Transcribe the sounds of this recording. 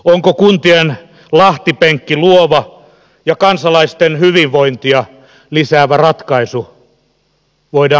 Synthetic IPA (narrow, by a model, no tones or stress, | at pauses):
oŋkokunt̪ien | lɑht̪ipeŋkːiluoʋɑ | jɑkɑnsɑlɑist̪enhyʋiʋʋoint̪iɑ | lisæːʋærɑt̪kɑisu | ʋoidɑː